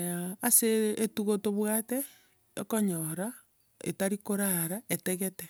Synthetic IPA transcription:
aːseːtuɣotoβwate | jo̰koɲoɾa | ḛtaɾikoɾaɾaeteɣete

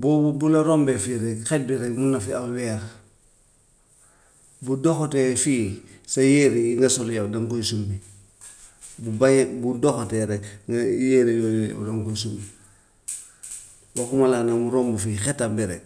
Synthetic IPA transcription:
bobulaɾombefiɾɛkxet̚biɾɛkmunafiawɛːɾ | budoxotefiːsajeɾiiŋɡasoljawdaŋkojsumbi | bubajebudoxoteɾekŋjeɾejojolja̰wdaŋkojs̬umbi | bakumalanamuɾoːmbufixetambiɾḛk̚

